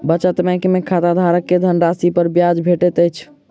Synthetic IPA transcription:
bət͡ʃət̪mɛ̃kemekʰat̪ad̪ʱaɾəkːed̪ʱənɾasipəɾbjad͡ʒbʱeʈet̪əjt͡ʃʰ

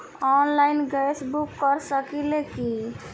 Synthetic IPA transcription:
ɔnlaɪnɡəjsbukːəɾsəkileki

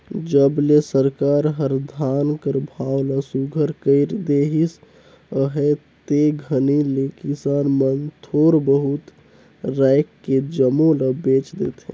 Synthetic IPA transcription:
d͡ʒəblesəɾkaːɾɦəɾd̪ʱankəɾbʱawləsuɡʱəɾkəɪɾd̪eɦis | əɦet̪eɡʱənilekisanmənt̪ʰoːɾbəɦut̪ | ɾaɪkːed͡ʒəmõləbet͡ʃd̪ḛt̪ɦɛ̰̃

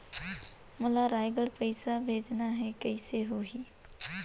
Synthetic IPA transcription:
mʊlaɾaːjɡəɽpəɪsabʱeːd͡ʒnaɦɛkəiseɦoːɦiː

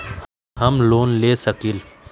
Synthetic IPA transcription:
ɦɐmloːnleːsəkil

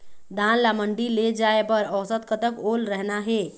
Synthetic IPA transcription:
d̪ʱaːnlaməɳɖiled͡ʒaːepəɾɔwsət̪̚kət̪əkoːlɾɛɦnaɦeː

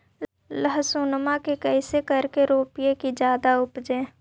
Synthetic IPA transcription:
ləɦsʊnmakekɛːsekəɾkeɾoːpɪjekid͡ʒjaːd̪aʊpd͡ʒẽː

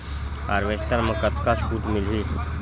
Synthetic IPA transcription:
a̰ːɾʋest̪əɾməkət̪ʰkaskuːʈ̪mɪlɦi

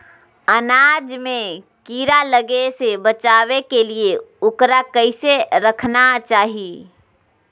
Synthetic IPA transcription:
ənad͡ʒme | kiɾaləɡesebət͡ʃaːβekelieokɾakəɪseɾəkʰnat͡ʃaːɦi

